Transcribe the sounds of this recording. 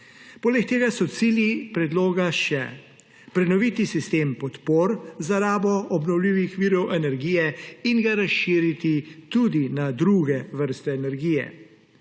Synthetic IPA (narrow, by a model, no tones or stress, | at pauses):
poːlɛkt̪eːɡasɔt̪siːljipɾɛd̪loːɡaʃɛ̰ | pɾɛnɔʋiːt̪isist̪eːmpɔt̪poːɾzaɾaːbɔɔbnɔwliːʋixʋiːɾɔwʔɛnɛɾɡiːjɛinɡaɾasʃiːɾit̪it̪ud̪inad̪ɾuɡɛʋəɾst̪ɛːnɛɾɡiːjɛ̰